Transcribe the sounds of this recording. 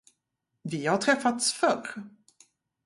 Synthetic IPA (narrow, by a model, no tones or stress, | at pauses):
vɪhaʈʰɾɛfːat̪sfœɾ